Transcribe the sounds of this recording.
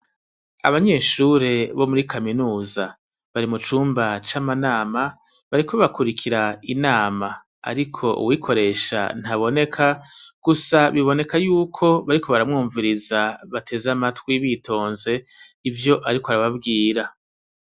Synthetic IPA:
a̰βaɲe̞ːʃuɾe̞βo̞muɾikaminuːza | βaɾimut͡ʃuːmbat͡ʃamanaːma | βaɾikoβakuɾikʰiɾainaːma | a̰ɾikʰo̞ʔṵwikʰo̞ɾe̞ːʃa̰n̥haβo̞ne̞kʰaɡ̥usaβiβo̞ne̞kajuːkʰo̞βaɾikʰo̞βaɾamŋuːɱviɾizaβatʰe̞zamatwiβitʰo̞ːnze̞ivjo̞ʔaɾikoaɾaβabɡiːɾa

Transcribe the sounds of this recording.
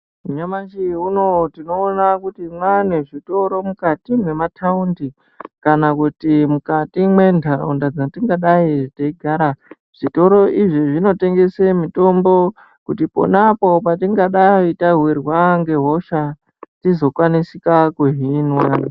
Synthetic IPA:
uɲamat͡ʃiuno̞tino̞ːnakutimwaneʐito̞ɾo̞mukatimwe̞matʰaundi | kanakutimukatimwe̞ndʱao̰ndad͡zatiŋɡaɗaitaiɡʱaɾa | ʐ̥ito̞ɾo̞ʔiʐiʐino̞te̞ŋɡe̞semito̞mbo̞ | kutipo̰napo̞patiŋɡaɗaitaɦwirwaŋɡe̞ɦo̞ʃa | tizo̞kwanisikakuɦinwa

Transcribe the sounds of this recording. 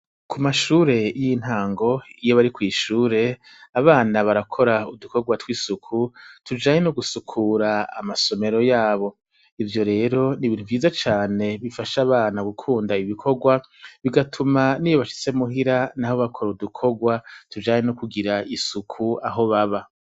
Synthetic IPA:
kʰumaʃuːɾe̞jin̥haːŋɡo̞ijo̞βaɾikwiːʃuːɾe̞ | aβaːnaβaɾakʰo̞ɾauduko̞ɡwatwiːsukʰutʰud͡ʒaːɲe̞noɡusukʰuɾa̰ːmaso̞me̞ɾo̞jaːβo̞ | ivjo̞ɾe̞ːɾo̞niβiːn̥uvjiːzat͡ʃaːne̞βifaʃaːβaːnaɡukʰuːndaiβikʰo̞ɡwa | βiɡatʰumaniːjoβaʃi̥t͡se̞muɦiɾanaho̞βakʰo̞ɾudukʰo̞ɡwatud͡ʒaːɲenokuɡiɾaisukʰuaɦo̞βaβa

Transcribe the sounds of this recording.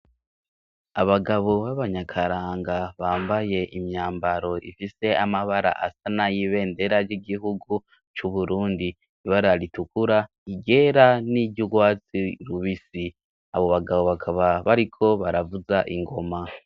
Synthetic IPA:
aβaɡaβo̞βaβaɲakʰaɾaːŋɡaβaːmbaje̞ʔimɲaːmbaɾo̞ʔḭfise̞amaβaɾa̰ʔasanajiβe̞ːnde̞ɾaɾɟiɡiɦuɡu | t͡ʃuβuɾuːndi | iβaɾaɾitukuɾa | iɡe̞ɾaniɟɟuɡwaːt͡siɾuβisi | a̰βo̞βaɡaβo̞βakʰaβaβaɾikʰo̞βaɾavuzaʔiŋɡo̞ma

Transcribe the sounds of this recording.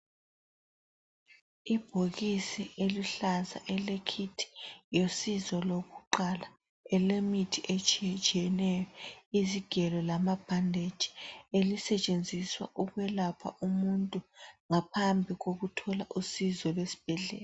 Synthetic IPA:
ib̥ʱoɣisiʔeliɬaza̰ʔɛlekʰitʰi̥josizɔloɣuǃala | ɛlemitʰiʔet͡ʃʼiɛt͡ʃʼijɛnɛjɔiziɡ̥ʱɛlɔlamab̥ʱandʱed̥ʒ̥ʱi̥elisɛt͡ʃʼend͡zʱiswa̰ʔuɣwɛlapʰa̰ʔumuntʼuŋapʰambʱiɣoɣutʰɔla̰ʔusizɔlwesi̥b̥ʱɛɮɛ̰ːla

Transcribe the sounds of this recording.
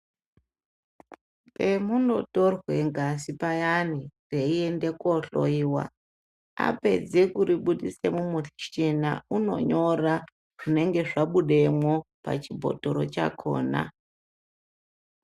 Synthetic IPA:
pemuno̞to̞rwe̞ŋɡasipajanire̞ie̞nde̞koɬo̰iːwa̰ | a̰pe̞̰d͡ze̞kuɾiɓuɗise̞mumuɬiʃena̰uno̞̰ɲo̞ra | ʐ̥ine̞ŋɡe̞ʐaɓuɗe̞mwopa̰t͡ʃibʱo̰toɾot͡ʃa̰kʰo̰ːna̰

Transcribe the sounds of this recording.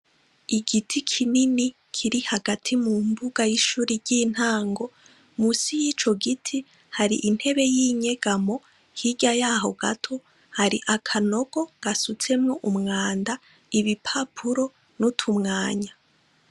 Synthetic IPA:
iɡitʰikʰinini | kʰiɾihaɡatʰimumbuɡajiʃuːɾiɾɟin̥haːŋɡo̞ | musijit͡ʃo̞ɡitʰi | haɾḭʔin̥he̞βe̞jiːɲe̞ɡ̥amo̞ | hiɟajaːɦo̞ɡatʰo̞ | haɾiʔakʰano̞ɡ̥o̞ɡ̥asut͡se̞mŋo̞ʔumŋaːnda | iβipʰapʰuɾo̞ | nutʰumŋaːɲa

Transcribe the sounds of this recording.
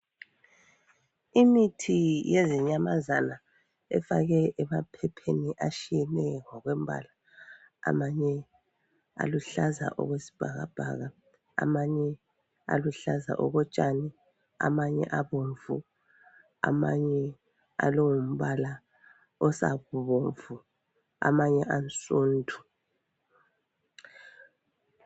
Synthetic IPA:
imitʰijezɛɲamazana | ɛfaɣɛʔɛmapʰɛpʰeniʔaʃijɛnɛŋɔɣwɛm̩bʱa̰la̰ː | maɲɛ | a̰luɬaza̰ʔɔ̰ɣwesi̥b̥ʱaɣa̰b̥ʱa̰ɣa̰ː | maɲɛ | a̰luɬaza̰ʔɔɣɔt͡ʃʼani | a̰maɲɛ̰ʔaβoɱvu | a̰maɲɛ | a̰lowum̩βala | ɔsa̰ɣuβoɱfu | a̰maɲɛʔant͡sʼoːntʰu̥

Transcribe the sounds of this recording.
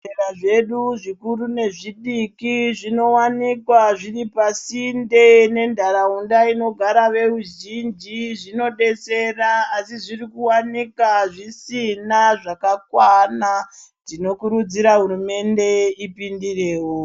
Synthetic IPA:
eraʐe̞ɗuʐikurune̞ʐiɗikiʐino̞wanikwaʐiripasindene̞ndʱaɾaundaino̞ɡʱaɾaʋe̞ruʒind͡ʒiʐino̞ɗe̞se̞raːsiʐirikuwanikaʐisinaʐakakwana | dtino̞kuɾud͡ziɾaɦuɾume̞nde̞ipindire̞ːwo

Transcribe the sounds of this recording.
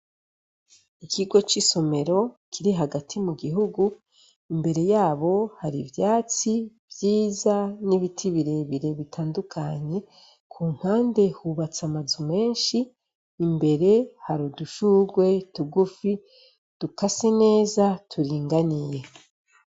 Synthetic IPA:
ikʰiɡo̞t͡ʃiso̞me̞ɾo̞kʰiɾiɦaɡatʰimuɡiɦuɡu | imbe̞ɾe̞jaːβo̞haɾivjaːt͡sivjiːzaniβitʰiβiɾe̞βiɾe̞βitʰaːndukʰaɲe̞ | kʰuːŋ̥haːnde̞huβat͡samazume̞ːnʃiː | mbe̞ɾe̞haɾuduʃuɡwe̞tuɡufi | d̥ukasene̞ːzatʰuɾiːŋɡanije̞

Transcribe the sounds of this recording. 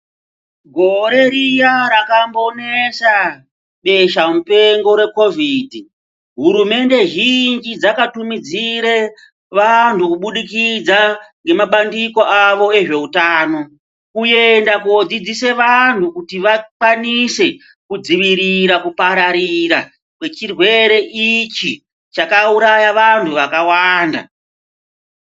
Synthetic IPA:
ɡʱo̞ɾe̞ɾijaɾakambonesa | ɓe̞ʃamupe̞ŋɡo̞ɾwe̞ko̞viːdʱi | ɦuɾume̞nde̞ʒind͡ʒid͡zakatumid͡ziɾe | ʋantʰukuɓuɗikid͡zaŋɡe̞maɓandiko̞ʔaʋo̞e̞ʐe̞utaːno̞ | kuje̞ndakuod͡zid͡zise̞ʋantʰukutiʋakwanise̞ | kud͡ziʋiɾiɾakupaɾaɾiɾa̰ | kwe̞t͡ʃirwe̞ɾe̞ʔit͡ʃi | t͡ʃakauɾajaʋantʰuʋakawaːnda̰

